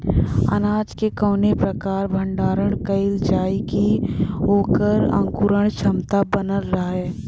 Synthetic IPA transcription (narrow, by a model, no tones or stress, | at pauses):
ɐ̰naːd͡ʒkekəːnepɾɐkaːɾbʱə̃ɳɖaːɾəɽ̃kəɪld͡ʒaːikioːkəɾɐ̰̃ŋkuɾəɳ̃t͡ʃʰəmt̪abənəlɾəɦɛː